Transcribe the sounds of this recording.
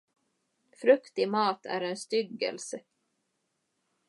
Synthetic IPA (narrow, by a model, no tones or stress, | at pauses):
fɾɵkt̪ɪmɑːt̪ʰæ̰ɾɛnst̪ʏɡːɛ̰lsə